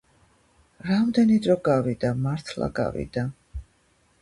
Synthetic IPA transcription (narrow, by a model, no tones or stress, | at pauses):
ɾamd̪ɛnid̪ɾɔɡavid̪amaɾt̪ʰla̰ɡa̰vḭd̪̥a